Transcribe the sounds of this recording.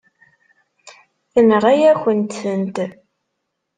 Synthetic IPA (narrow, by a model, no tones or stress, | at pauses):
θənʁæjæçənt̪sənt̪